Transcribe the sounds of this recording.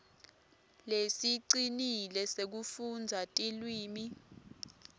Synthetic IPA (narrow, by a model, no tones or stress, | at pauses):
lesiǀinilɛsek̬ufund͡zʱatʼilwiːmi